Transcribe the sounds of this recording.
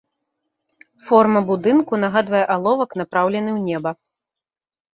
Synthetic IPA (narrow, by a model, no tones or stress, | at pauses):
fɔrmɐbud̪ɨnkun̪aɣad̪vɐjɛʔalˠɔvɐkn̪apɾawlʲɛnɨwnʲɛbɐ